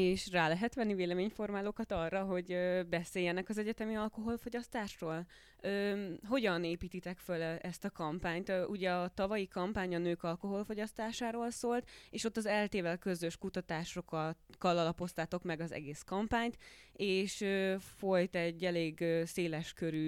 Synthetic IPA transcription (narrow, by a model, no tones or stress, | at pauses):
eːʃraːlɛɦɛt̪ʋɛnːiveːlɛmeːɲfo̞rmaːloːkɒt̪ɒrːɒɦo̞ɟøːbɛseːjːɛnɛkɒzɛɟɛt̪ɛmiɒlko̞ɦo̞lfo̞ɟɒst̪aːʃroːl | øːɦo̞ɟɒneːpiːt̪it̪ɛkfølɛst̪ɒkɒmpaːɲt̪ʔuɟɛɒt̪ɒvɒjikɒmpaːɲɒnøːkɒlko̞ɦo̞lfo̞ɟɒst̪aːʃaːɾoːlsoːlt̪eːʃo̞t̪ːɒzɛlt̪eːvɛlkø̞zøʃkut̪ɒt̪aːʃokkːɒlɒlɒpo̞st̪aːt̪o̞kmɛɡɒzɛ̰ɡeːskɒmpaːɲt̪eːʃøːfo̞jt̪ɛɟːɛleːɡøːseːlɛʃkøɾyː